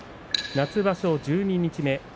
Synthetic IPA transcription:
nat͡sɨbaɕo̞d͡ʑɨːɲ̟iɲ̟it͡ɕime̞

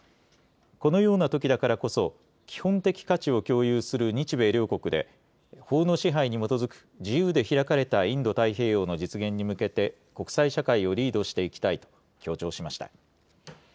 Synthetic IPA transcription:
ko̞no̞jo̞ːnat̪o̞kʲid̪akaɾako̞so̞ | kʲi̥hõ̞nt̪e̞kʲi̥kat͡ɕio̞kʲo̞ːjɯːsɨɾɯ̟ɲ̟it͡ɕibe̞ːɾʲo̞ːko̞kɯ̟d̪e̞̰ | ho̞ːno̞ːɕiɦaiɲ̟imo̞t̪o̞zɨkɯ̟̥d͡ʑijɯːd̪e̞çiɾakaɾe̞t̪aĩnd̪o̞t̪aiɦe̞ːjo̞ːno̞d͡ʑit͡sɨɡẽ̞ɲ̟ːimɯ̟ke̞t̪e̞ | ko̞kɯ̟̥saiɕakaio̞ɾʲiːd̪o̞ɕi̥t̪e̞ikʲi̥t̪ait̪o̞̥ | kʲʰo̞ːt͡ɕo̞ːɕimaɕi̥t̪a̰

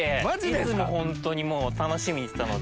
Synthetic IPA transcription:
emad͡ʑidd̪esɨmoɦõ̞nt̪o̞ɲ̟imoːt̪ano̞ɕimʲiɲ̟isɨ̥t̪ano

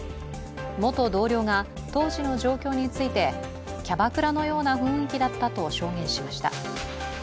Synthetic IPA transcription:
mo̞t̪o̞d̪o̞ːɾʲo̞ːŋa | t̪o̞ːʑino̞ʑo̞ːkʲo̞ːɲ̟it͡sɨit̪e̞ | kʲabakɯ̟ɾano̞jo̞ːnaɸɯ̟̃ɰ̃ikʲid̪at̪ːat̪o̞ɕo̞ːŋẽ̞ɰ̃ɕimaɕi̥t̪a̰

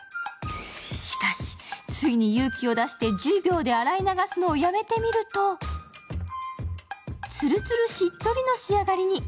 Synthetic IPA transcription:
ɕi̥kaɕi̥t͡sɨiɲ̟ijɯːkʲio̞d̪aɕi̥t̪e̞d͡ʑɨːbʲo̞ːd̪e̞aɾainaɡasɨno̞ːjame̞t̪e̞mʲiɾɯ̟t̪o̞ | t͡sɨɾɯ̟t͡sɨɾɯ̟ɕit̪ːo̞ɾʲino̞ɕiaɡaɾʲiɲ̟i

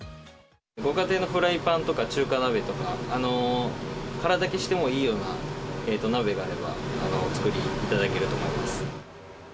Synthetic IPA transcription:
ɡo̞ɡat̪e̞ːno̞ɸɯ̟ɾaipãnt̪o̞kat͡ɕɨːkanabe̞t̪o̞kaːno̞ | kaɾad̪ake̞ɕi̥t̪emo̞iːjo̞ːnaeːt̪ːo̞nabe̞ɡaːɾe̞ba̰ːno̞t͡sɨ̥kɯ̟ɾʲiːt̪ad̪ake̞ɾɯ̟t̪o̞mo̞imasɨ̥

